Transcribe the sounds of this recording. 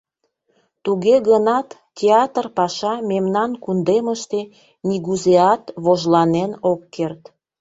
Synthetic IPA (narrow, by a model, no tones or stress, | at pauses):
t̪uɣeɣənɑt̪ːʲeɑt̪ərpɑʃɑmemnɑnkund̪eməʃt̪e | niɣuzeɑt̪βoʒlɑnenokːert̪